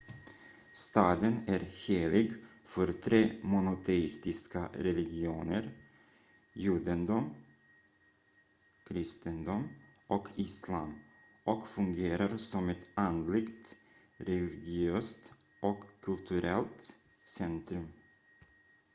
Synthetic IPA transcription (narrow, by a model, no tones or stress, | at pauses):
st̪ɑːd̪ənæɾheːlɪɡfœɾt̪ʰɾeːmʊnʊt̪ʰɛɪst̪ɪskaɾɛlɪɡɪuːnəɾ | juːd̪ənd̪um | kʰɾɪst̪ənd̪um | ʔɔkʰɪslaːm | ʔɔkfɵŋɡeːɾaɾsɔmɛt̪and̪lɪɡt̪ | ɾɛlɪɡɪøːst̪ʔɔkʰːɵlt̪ʰɵɾɛlt̪ | sɛnt̪ɾɵm